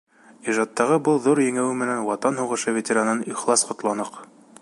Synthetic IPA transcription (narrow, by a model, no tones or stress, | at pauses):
iʒɑt̪ːɑʁɤbɤlˠðuɾjɘ̆ŋæwɘmɘ̆nænwɑt̪ɑnhuʁɤ̆ʃɤvʲetʲeɾanɤniχlˠɑsqŏt̪lˠɑnɤq